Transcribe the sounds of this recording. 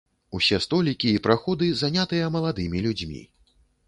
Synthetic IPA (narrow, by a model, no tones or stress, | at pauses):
usʲɛst̪ɔlʲikʲiːpɾaxɔd̪ɨzanʲat̪ɨjɐmɐlˠad̪ɨmʲilʲud͡zʲmʲḭ